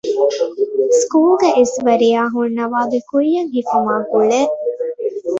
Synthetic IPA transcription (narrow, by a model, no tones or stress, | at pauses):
skuːlɡeʔisʋɐɾijaːɦunːɐʋaːbekujːɐŋɦikumaːkuɭe